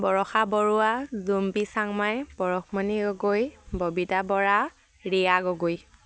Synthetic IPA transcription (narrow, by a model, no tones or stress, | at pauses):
bɔɹɔxabɔɹuwazumbisaŋmajb̥ɔɹɔkmaniɡɔɡojbobitabɔɹa | ɹijaɡɔɡoj